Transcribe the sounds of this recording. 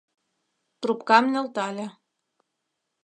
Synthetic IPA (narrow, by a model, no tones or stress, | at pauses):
t̪rupkɑmnʲĕlt̪ɑlʲĕ